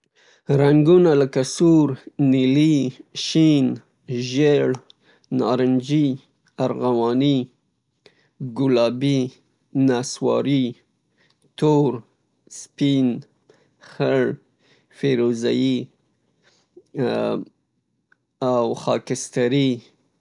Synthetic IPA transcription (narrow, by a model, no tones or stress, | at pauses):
ɾaŋɡunaləkasuɾniliʃin | ʒeɭ | nɑɾɪnd͡ʒi | aɾɣawɑni | ɡʊlɑbi | naswɑ̰ɾi | t̪oɾ | spin | xəɭ | feɾoza̰ji | awxɑkɪst̪aɾi